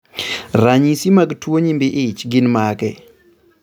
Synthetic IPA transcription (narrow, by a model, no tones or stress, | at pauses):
ɾaɲisimaɡtwoɲimbɪʔɪt͡ʃɡɪnmaɡɛ